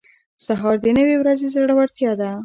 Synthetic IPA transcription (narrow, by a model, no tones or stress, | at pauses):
saɦɑɾd̪ənəwewɾazezəɽawaɾt̪jɑd̪a